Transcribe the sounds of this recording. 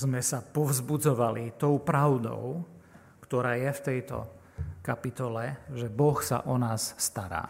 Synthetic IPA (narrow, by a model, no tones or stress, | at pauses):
zmɛsapɔʊzbud͡zɔʋalit̪ɔʊpɾaʊd̪ɔ̰ʊ | kt̪ɔɾaːjɛft̪ɛjt̪ɔ̰ | kapit̪ɔlɛʒɛbɔxsa̰ʔɔnaːsːt̪aɾa̰ː